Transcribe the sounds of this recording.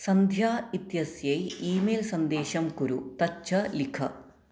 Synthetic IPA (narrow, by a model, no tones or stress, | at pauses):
sɐnd̪ʱjaːit̪jɐsjɐjiːmeːlsɐnd̪eːɕɐmkuɾut̪ɐt͡ʃːɐlikʰɐ̰